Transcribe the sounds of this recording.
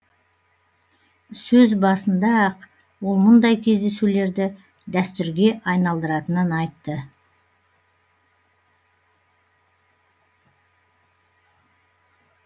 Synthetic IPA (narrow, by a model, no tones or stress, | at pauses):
sɵzbɑsənd̪ɑq | wo̞lˠmʊnd̪ɑjkʲʰe̞zd̪e̞sule̞ɾd̪ɪ | d̪æst̪ʏɾɡʲe̞ʔɑjnɑlˠd̪əɾɑt̪ənənɑjt̪ːə